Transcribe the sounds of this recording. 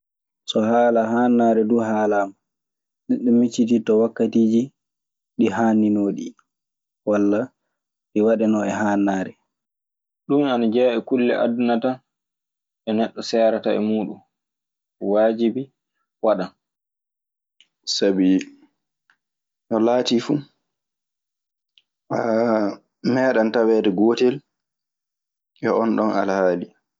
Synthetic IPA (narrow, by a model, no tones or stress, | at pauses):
sɔɦaːlaɦaːnːaːɾɛduɦaːlaːma | ɗiɗɛmit͡ʃːititɔwakːatiːd͡ʒi | ɗiɦaːninoːɗi | walːa | ɗiwaɗɛnɔɛɦaːnːaːɾɛ | ɗumanad͡ʒɛːʔɛkulːɛ̰ʔa̰dunata | ʔɛnɛɗːɔsɛːɾataɛ̰muːɗum | waːd͡ʒibi | waɗan | sabi | nɔlaːtifu | ʔa | mɛːɗantawɛːdɛɡoːtɛl | ʔɛɔnɗɔnalhaːli